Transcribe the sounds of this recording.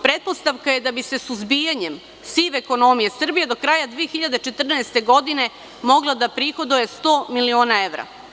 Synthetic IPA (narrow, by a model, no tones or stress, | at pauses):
pɾe̞t̪̚po̞st̪aʋkajed̪abise̞suzbijaɲem | siʋeko̞no̞mijesr̩bije̞d̪o̞kɾaːjad̪ʋijexiʎad̪et͡ʃet̪r̩naest̪e̞ɡo̞d̪ine̞ | mo̞ɡlˠad̪apɾixo̞d̪ojest̪o̞ːmilio̞ːnae̞ʋɾa̰